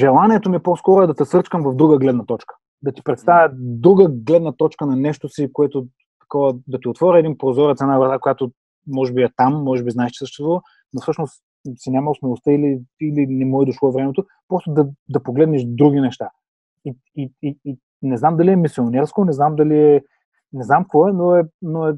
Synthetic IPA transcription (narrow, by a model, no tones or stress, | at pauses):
ʒɛlˠanʲiɛt̪omiposkɔɾoɛd̪ɐt̪ɛsɤɾt͡ʃkəmvɐvd̪ɾuɡəɡlɛd̪nɐt̪ɔt͡ʃkə̥ | d̪ɐt̪i̥pɾɛt̪st̪avʲjəd̪ɾuɡəɡlɛd̪nɐt̪ɔt͡ʃkənɐnɛʃt̪osikoɛt̪o | t̪ɐ̥kɔvəd̪ɐt̪iot̪vɔɾʲɛɛd̪inpɾozɔɾɛt̪sɛnavɾt̪akojat̪o | mɔʒɛbiɛt̪amːɔʒɛbiznaɛʃt͡ʃ̪i̥səʃt̪ɛst̪vuvə | nofsɤʃnos | sinʲaməlˠsmilˠost̪əiliilinɛmɔɛd̪oʃlˠɔvɾɛmɛt̪o | pɾɔst̪od̪ɐd̪ɐpoɡlɛd̪nɛʃd̪ɾuɡʲinɛʃt̪a | i | iii | nɛznamd̪ɐliɛmisionɛɾskonɛznamd̪ɐliɛ | nɛznamkvɔɛnoɛnoɛ